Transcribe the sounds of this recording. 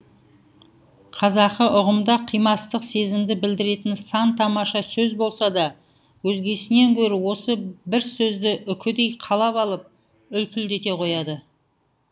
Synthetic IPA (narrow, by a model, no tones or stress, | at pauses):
qʰɑzɑqəʔʊʁəmd̪ɑqʰijmɑt̪əqse̞zɪmd̪ɪbɪld̪ɪɾe̞t̪ɪnsɑnt̪ʰɑmɑʃɑsɵzbo̞lˠsɑd̪ɑ | wɵzɡʲe̞sɪneŋkʲʰɵɾɪwo̞səbɪɾsɵzd̪ɪʔʏkʲʰɪd̪e̞jqʰɑlˠɑpɑlˠəp̚ | ʏlk̪ʲɪld̪e̞t̪e̞qʰo̞jɑd̪ə